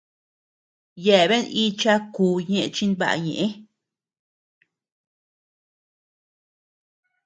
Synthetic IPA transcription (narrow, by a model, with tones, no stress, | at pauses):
je˧˨βe˦ni˦t͡ʃa˦ku˧ɲẽ˧ʔt͡ʃi˦nba̰˧˨˧ɲḛ̃˨ʔe˦